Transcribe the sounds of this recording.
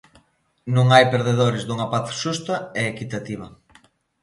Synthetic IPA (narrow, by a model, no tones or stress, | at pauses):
nũŋajpeɾðeð̞oɾezd̪uŋɐpaθʃust̪ɐeːkit̪at̪iβ̞ɐ